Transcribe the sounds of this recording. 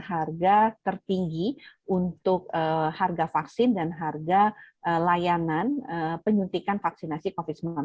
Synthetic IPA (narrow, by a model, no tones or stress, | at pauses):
harɡat̪ərt̪iŋɡiʔunt̪ʊk̚əharɡafaksɪndanɦarɡaʔəlajananəpəɲunt̪ikanfak̚sinasikofɪt̪səman